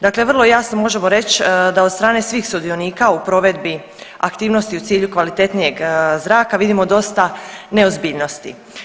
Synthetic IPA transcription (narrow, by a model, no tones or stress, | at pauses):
d̪akle̞ʋərlˠo̞jasnomo̞ʒe̞mo̞ɾe̞t͡ɕd̪aost̪ɾaːne̞sʋiːxsud̪io̞niːkaupɾo̞ʋe̞d̪bi | akt̪iːʋnost̪iut̪siːʎukʋalit̪e̞t̪nije̞ɡzɾaːkaʋid̪imo̞d̪o̞st̪ane̞ozbiːʎno̞st̪ḭ